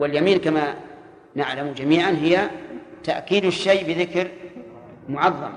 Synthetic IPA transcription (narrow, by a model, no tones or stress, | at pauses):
wɪljamiːnkama | naʕlamd͡ʒamiːʕanɦɪjːat̪aʔkiːd̪ɪʃːaːbɪðɪkɾ | mʊʕɑðˤːɑ̰m